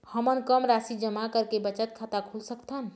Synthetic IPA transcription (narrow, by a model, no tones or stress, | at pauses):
həmənkəmɾasid͡ʒəmakəɾkebət͡ʃət̪̚kʰat̪akʰulsəkt̪ʰən